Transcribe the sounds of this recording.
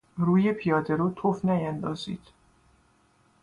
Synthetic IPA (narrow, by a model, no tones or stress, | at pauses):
ruːjepʰijɒːd̪eɾuːt̪ʰofnæjænd̪ɒːzḭːd̪̥